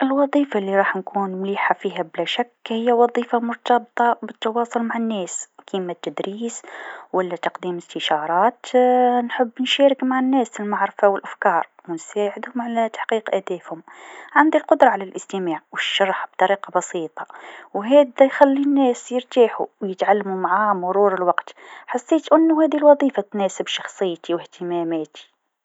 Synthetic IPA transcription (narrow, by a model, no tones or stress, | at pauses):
ʔɪlwɑðˤiːfalːiɾˤɑːħnkuːnmliːħafiːɦæblæʃækːhɪjːæwɑðˤiːfamʊɾt̪ɑbt̪ˤɑbət̪ːɑwɑːsˤʊlmaʕanːæːskimat̪ːæd̪ɾiːswælːæt̪ɑqd̪iːmɪst̪əʃɑɾˤɑːt̪nħəbːnʃæːɾɪkmaʕanːæːsɪlmaʕɾɪfawɪlʔafkɑːɾˤwnsaːʕɪd̪hʊmʕalæt̪ḁħqiːqʔæd̪æːfhʊmʕand̪ilqʊd̪ɾˤɑʕalælʔɪst̪əmaːʕwəʃːɑɾˤħb̚t̪ˤɑɾiːqɑbɑsiːt̪ˤɑ̥wɦæːd̪æjxælːinːæːsjəɾt̪aːħṵwjət̪ʕalːamumaʕamʊɾˤuːɾɪlwɑqt̪ħasːeːt̪ʔɪnːuhæːd̪ilwɑðˤiːfat̪næːsɪbʃɑxsˤɨjːt̪iwɪht̪əmæmæːt̪ʰi̥